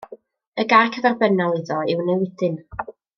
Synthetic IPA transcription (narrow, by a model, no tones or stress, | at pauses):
əɡakʰəðarbənalˠɪðɔɪwnewɪdɨn